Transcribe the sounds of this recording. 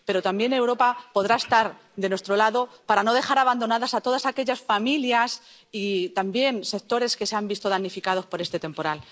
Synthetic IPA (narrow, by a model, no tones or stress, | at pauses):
pe̞ɾo̞t̪ambje̞ne̞wɾo̞papo̞ð̞ɾaest̪aɾ | d̪e̞nwet̪ɾo̞laðo̞paɾano̞ð̞e̞xaɾaβ̞and̪o̞naðasat̪o̞ð̞asake̞ʎasfamiljas | it̪ambje̞nse̞k̚t̪o̞ɾe̞ske̞seambist̪o̞ð̞anːifikað̞o̞spo̞ɾe̞st̪e̞t̪e̞mpo̞ɾal